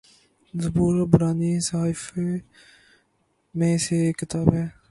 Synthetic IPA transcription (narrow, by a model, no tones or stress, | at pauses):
zəbuːɾbʊɾaːniːsaaːɪf | mẽːseːkɪt̪aːbɦɛː